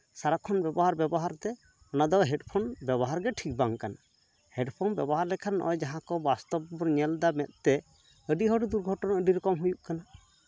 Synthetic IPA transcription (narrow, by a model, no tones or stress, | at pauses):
saɾakʰɔnbɛbɔɦaɾbjɛbɔɦaɾt̪ɛ | ɔnad̪ɔɦɛɖpʰɔnbɛbɔɦaɾɡɛʈʰik̚baŋkana | hɛɖpʰɔnbjɛbɔɦaɾlɛkʰanːʔɔ̰jd͡ʒaɦãkɔbast̪ɔbbɔɾɲɛld̪amɛt̪̚t̪ɛ | əɖiɦɔɖd̪uɾɡʱɔʈɔnaʔəɖiɾɔkɔmɦujuʔkana